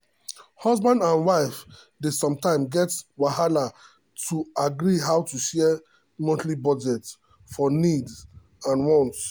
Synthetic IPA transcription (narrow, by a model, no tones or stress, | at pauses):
hɔzbãndãnwaɪf | desɔ̃mtãɪ̃mɡɛtwahala | tʰuaɡɹiɦaʊtuʃɛ | mɔ̃ntlibɔd͡ʒɛt | fɔnid | ãnwɔ̃nts